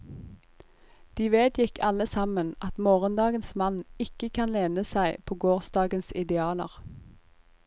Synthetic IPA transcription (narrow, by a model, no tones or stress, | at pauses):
d̪̥iːʋeːd̪jɪkʰɑləsɑmənʔɑt̪moːʁənd̪ɑːɡənsmɑnɪkəkʰɑnleːnəsæɪpʰoːɡoːʁsd̪ɑːɡənsɪd̪ɛɑːlə̰ʁ